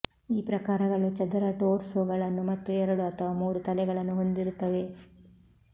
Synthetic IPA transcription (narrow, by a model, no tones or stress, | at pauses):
iːpɾɐkaːɾɐɡɐɭut͡ʃɐd̪ɐɾɐʈoːɾsoːɡɐɭɐnːumɐt̪ːuɛɾɐɽuɐt̪ʰɐʋaːmuːɾut̪ɐlɛɡɐɭɐnːuɦo̞nd̪iɾut̪ːɐʋe̞